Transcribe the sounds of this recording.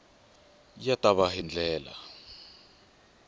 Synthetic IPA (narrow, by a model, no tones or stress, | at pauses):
jataβaɦind͡ɮɛːla̰